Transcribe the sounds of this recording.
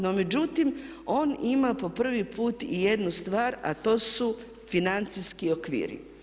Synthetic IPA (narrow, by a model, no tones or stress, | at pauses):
nome̞d͡ʒut̪im | o̞ːnimapo̞pr̩ʋipʰuːt̪ije̞d̪nust̪ʋaːɾa̰t̪o̞ːsu | finant̪siskio̞kʋḭːɾḭ